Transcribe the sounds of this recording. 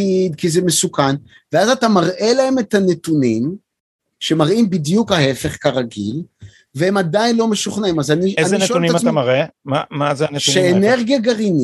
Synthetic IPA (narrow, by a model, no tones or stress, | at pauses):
idkizeme̞sukan | veazatamaʁʔe̞lahe̞me̞thanetunim | ʃe̞maʁimbidjukhahe̞fe̞χkaʁaɡḭl | veemadajnlo̞me̞ʃuχnaimazanieanzeineoɛuniamatamaʁemamazeaneʃueːneʁɡjaɡaʁini